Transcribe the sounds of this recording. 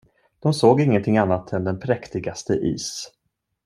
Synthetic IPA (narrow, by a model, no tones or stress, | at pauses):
d̪̥ɔmsoːɡɪŋːənt̪ʰɪŋanːat̪ʰɛnd̪ɛnpʰɾɛkt̪ɪɡast̪əʔḭːs